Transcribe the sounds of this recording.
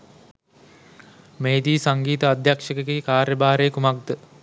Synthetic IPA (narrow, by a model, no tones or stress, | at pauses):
meːd̪iːsaŋɡiːt̪əad̪ʱjakʂɐkekiːkaːrjəbaːɾejkumaɡ̚d̪ə